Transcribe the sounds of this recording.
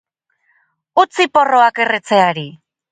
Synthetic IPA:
ut͡sipo̞ro̞ake̞ret͡se̞aɾi

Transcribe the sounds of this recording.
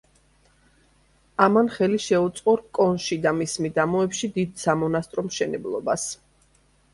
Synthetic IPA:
amanχɛliʃɛut̪sʼqʼɔɾkʼɔnʃid̪amismid̪amɔɛpʃid̪id̪samɔnast̪ʼɾɔmʃɛnɛblˠɔ̰bas

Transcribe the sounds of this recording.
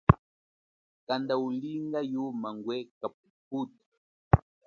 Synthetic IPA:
kandauliŋɡajumaŋɡwɛkap̚uputḁ

